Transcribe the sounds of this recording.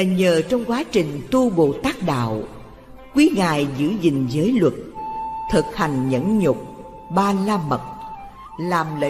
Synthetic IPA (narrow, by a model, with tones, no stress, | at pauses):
ɲəː˨˩t͡ɕɔ˧wŋ͡mkwaː˨˦t͡ɕï˨˩ŋ̟t̪u˧ɓo̰˧˨t̪aː˦˥k̚ɗa̰ː˧˨w | kwi˨˦ŋaː˨˩jzɨ̰˧˥zï˨˩ŋ̟zəː˨˦jlwə˨˩t̚t̪ʰɨ˨˩t̚ha˨˩jŋ̟ɲə̰˧˥nɲʊ˨˩k͡p̚ | ɓaː˧laː˧mə˨˩t̚ | laː˨˩mlə̰˧